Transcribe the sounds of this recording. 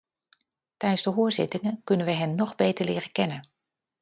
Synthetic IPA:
tɛjənzdəɦʊːɹzɪ̰tɪŋənkɵnənʋəɦɛnːɔχbejtəɹlɪːrəkɛnən

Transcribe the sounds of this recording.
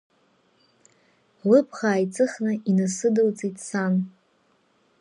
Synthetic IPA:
lɨpʰχaːjt͡sʼɨχnainasɨdɨlt͡sʼitʰʼsan

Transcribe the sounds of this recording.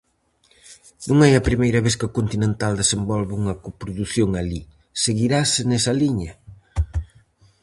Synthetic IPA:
nũŋɛjɐpɾimejɾɐβeθkɪokont̪inẽnt̪ald̪esembɔlβɪuŋɐkopɾoðuθjoŋali | seɣiɾasɪnɛsɐliɲɐ

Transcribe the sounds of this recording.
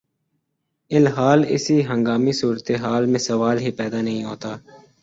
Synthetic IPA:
ɪlɦaːlɪ̰siːɦə̃ŋɡaːmisuːɾət̪eɦaːlmẽsəʋaːlɦiːpɛːd̪aːnəɦĩɦoːt̪aː

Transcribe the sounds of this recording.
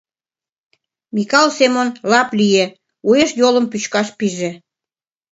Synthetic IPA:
mikɑlsemonlɑplije | ueʃjolə̆mpyt͡ɕkɑʃpiʒe

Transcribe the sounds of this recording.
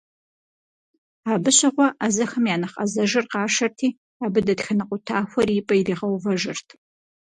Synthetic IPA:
aːbɨɕɪʁʷɔʔazɐxɐmjaːnɐχʼɐ̰zɐʒɨrqɑːʂɐrtʰiː | aːbɨdɐtxɐnɐqʷʼʊtʰaːxʷɔriːpʼɐiriːʁɐwvɐʒɨrtʰ

